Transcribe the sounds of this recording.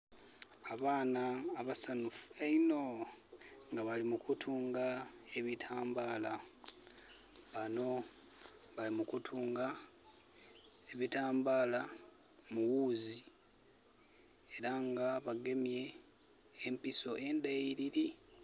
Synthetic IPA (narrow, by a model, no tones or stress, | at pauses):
aβaːnaːβasanufueino̞ | ŋɡaβalimukutʰuːŋɡae̞βitʰaːmbaːla | βano̞ | βalimukutʰuːŋɡa | eβitaːmbaːla | muwuzi | e̞ɾaŋɡaβaɡe̞mje̞ː | mpiso̞ʔe̞ndaiɾiɾi